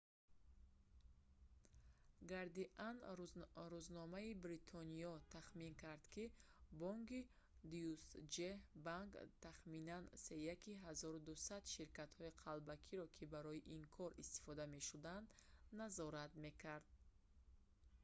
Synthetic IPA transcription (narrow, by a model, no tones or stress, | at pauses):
ɡaɾd̪iʔan | ɾuznɔmaibɾit̪ʰɔniɔt̪ʰaχmiŋkʰaɾd̪̥kibɔŋki | d̪usd͡ʒebaŋkt̪ʰaχminanse̞jakiɦazɔɾud̪usad̪ʃiɾkat̪hɔiqʰalbakʰiɾɔkʰibaɾɔjiʔiŋkʰɔɾist̪i̥fɔd̪ame̞ʃud̪and̪nazɔɾat̪me̞kʰaɾd̪̥̚